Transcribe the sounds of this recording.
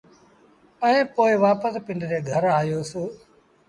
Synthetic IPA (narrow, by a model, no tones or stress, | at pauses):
ə̃ẽːpoːɪʋaːpəspɪ̃ɳɖɾeːɡʱəɾaːjoːsoː